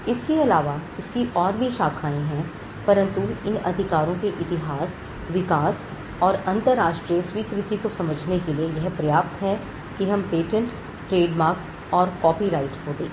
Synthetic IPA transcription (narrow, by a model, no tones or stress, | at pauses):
ɪskeɐlaːʋaɪskiʔɔːɾbʱiʃaːkʰaːẽɦɛ̃ | pɐɾə̃nt̪uɪnɐ̰d̪ʱɪkaːɾõkeʔɪt̪ɪɦaːs | ʋɪkaːs | ɔːɾɐ̃nt̪əɾːaːʃʈɾijəswiːkɾɪt̪ikosɐməd͡ʒʱnekeliejɛɦpɾɐjaːp̚t̪ɦɛ̃ | kiɦɐ̃mpeːʈə̃ɳʈː | ɾeːɖmaːɾks | ɔːɾkɔːpiɾaːɪʈɦoːd̪eː